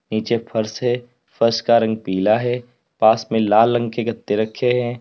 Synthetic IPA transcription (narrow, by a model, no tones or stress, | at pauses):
niːt͡ʃepʰɐɾsɦɛː | fəɾʃkaɾɐ̃ŋɡ̚piːlaɦɛː | paːsmẽlaːlːə̃ŋɡkeɡɐt̪ːeɾɐkʰeɦɛ̃ː